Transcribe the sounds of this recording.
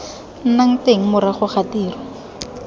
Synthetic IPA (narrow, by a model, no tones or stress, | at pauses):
n̩naŋ̩teŋ̩mʊɾaχʊχatiːrɔ